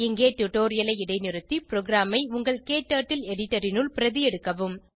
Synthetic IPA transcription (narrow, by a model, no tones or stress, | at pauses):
ɪŋɡeːʈːuʈːoːɾɪjɐlɐɪɪɽɐɪnɪɾɯt̪ːipɪɾoːɡɾaːmɐɪʊŋɡɐɭkeːʈːaːʈːɪlɛɽɪʈːɐɾɪnɯɭpɪɾɐðɪjɛɽɯkːɐʋɯm